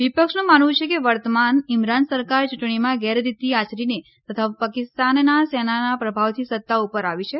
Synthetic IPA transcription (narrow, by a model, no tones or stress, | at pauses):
ʋipəkʃnũmanʋũt͡ʃʰekeʋəɾt̪əmanɪmɾansəɾkaɾt͡ʃuʈɳimãɡɛɾd̪it̪iat͡ʃɾine | t̪ət̪ʰapakɪst̪anːasɛnanapɾəbʱaʋt̪ʰisət̪ːaupəɾaʋit͡ʃʰe